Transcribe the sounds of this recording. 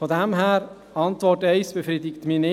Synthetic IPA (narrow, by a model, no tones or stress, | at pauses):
fɔdɛmɦæːɾ | ɑntvɔtɛɪsb̥ɛfɾiːdɪktminɪ